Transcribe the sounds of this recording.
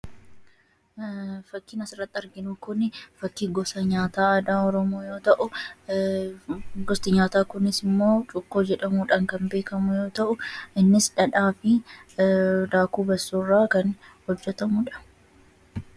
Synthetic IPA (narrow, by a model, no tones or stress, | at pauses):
fɐkːiːnɐsɪrːɐt̪ːɪɐɾɡɪnuːkʊnɪfɐkːiːɡɔsɐɲaːt̪aːɐd̪aːɔɾɔmoːjo̞ːt̪ɐʔʊ | ɡɔst̪ɪɲaːt̪aːkʊnɪsɪmːo̞ːt͡ʃʼʊkːo̞ːd͡ʒɛᶑɐmuːᶑɐŋkɐnbe̞ːkɐmʊjo̞ːt̪ɐʔʊɪnːɪsᶑɐᶑaːfɪ | d̪aːkuːbɐsːuːrːaːkɐnhɔd͡ʒːɛt̪ɐmʊᶑɐ̥